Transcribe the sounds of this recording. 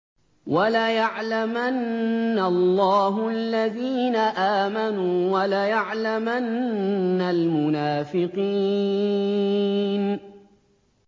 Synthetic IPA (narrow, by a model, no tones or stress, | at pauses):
walajaʕlamanːalˤːɑːɦʊalːaðiːnaʔaːmanuːwalajaʕlamanː | almʊnaːfɪqiː | n